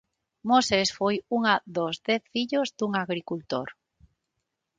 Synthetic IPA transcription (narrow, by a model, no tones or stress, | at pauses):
mosesfojuŋaðozðɛθfiʎozd̪uŋaɣɾikult̪o̰ɾ